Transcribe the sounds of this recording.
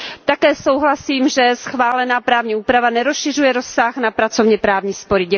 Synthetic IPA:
t̪akɛːso̞wɦlasiːmʒɛsxvaːlɛnaːpɾaːvɲiːuːpɾavanɛɾosʃɪrujɛɾo̞sːaxnapɾat͡sovɲɛpɾaːvɲiːspoɾɪɟɛ

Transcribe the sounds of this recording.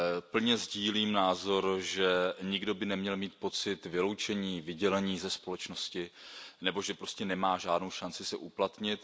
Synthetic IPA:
pl̩ɲɛzɟiːliːmnaːzo̞ɾʒɛɲɪɡdo̞bɪnɛmɲɛlmiːt̪̚po̞t͡sɪt̪vɪlo̞wt͡ʃɛɲiːvɪɟɛlɛɲiːzɛspo̞lɛt͡ʃno̞scɪnɛbo̞ʒɛpɾo̞scɛnɛmaːʒaːdno̞wʃant͡sɪsɛʔuplat̪ɲɪt̪

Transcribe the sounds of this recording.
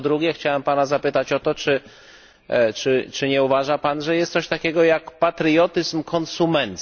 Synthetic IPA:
d̪ɾuɡʲɛxt͡ɕawɛmpanazapɘt̪at͡ɕɔt̪ɔt͡ʂɘ | t͡ʂɘt͡ʂɘɲɛuvaʐapanʐɛjɛst̪sɔɕt̪akʲɛɡɔjakpat̪ɾjɔt̪ɘzmkʰɔnsumɛnt̪s

